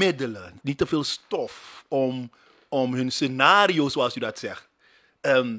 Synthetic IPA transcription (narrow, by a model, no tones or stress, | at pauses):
ɪdələnitəveːlˠstɔfɔm | ɔmɦɵnsenaːriosoɑlˠsydɑtsɛχt | əm